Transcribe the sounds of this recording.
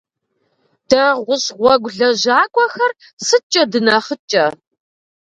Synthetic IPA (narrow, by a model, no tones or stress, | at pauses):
d̥ɐʁʷʊɕʁʷɔɡʷɮɐʑaːkʷʼɔxɐr | sɨt͡ʃʼɐdɨnaχət͡ʃʼɐ